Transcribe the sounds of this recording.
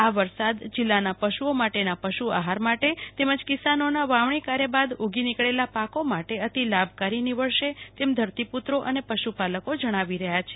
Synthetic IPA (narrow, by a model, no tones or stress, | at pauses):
aʋəɾsad̪d͡ʒɪlːanapəʃuomaʈenapəʃua̰ɦaɾmaʈet̪eməd͡ʒkisanonaʋaʋɳikaɾjəbad̪uɡinikɭelapakomaʈeət̪ilabʱkaɾiniʋəɭʃet̪emd̪ʱəɾt̪iput̪ɾoʔənepəʃupaləkod͡ʒəɽ̃aʋiɾəɦjat͡ʃʰe